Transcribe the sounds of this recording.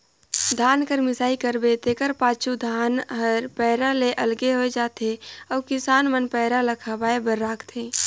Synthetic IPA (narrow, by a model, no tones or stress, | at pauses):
d̪ʱaːnkəɾmɪsaːikəɾbet̪eːkəɾpaːt͡ʃʰud̪ʱaːnɦəɾpɛːɾaleʔəlɡeɦoed͡ʒaːt̪eɔːkɪsaːnmənpɛɦɾaləkʰabaːebəɾːaːkʰt̪ʰẽː